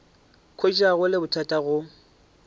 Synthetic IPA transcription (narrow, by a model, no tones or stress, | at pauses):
kʰoit͡ʃʼaɣʊlɪbʊtʰatʼaɣʊ